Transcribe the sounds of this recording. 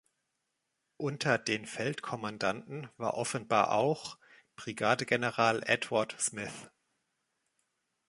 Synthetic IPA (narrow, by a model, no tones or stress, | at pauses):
ʔʊntʰɐdeːnfɛltkʰɔmandantn̩v̥a̰ːɐʔɔfənbaːɐʔa̰ʊx | b̥ʁiɡaːdəɡɛnəʁaːlʔɛtv̥aɐtsmɪθ